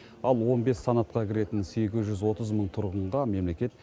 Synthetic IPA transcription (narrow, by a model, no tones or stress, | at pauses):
ɑlˠwo̞nbe̞sːanat̪qɑkʲʰɪɾe̞t̪ɪnse̞ɡʲɪzʒʏzwo̞t̪əzməɴt̪ʰʊɾʁəɴʁɑme̞mle̞kʲe̞t̪̚